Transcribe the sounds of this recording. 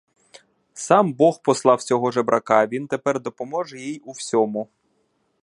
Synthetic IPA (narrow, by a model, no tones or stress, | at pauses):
sɑmbɔxpɔslˠɑwsʲɔɦɔʒɛbɾʔɐkɑʋʲint̪epɛrd̪ɔpɔmɔʒɛjijuwsʲɔmʊ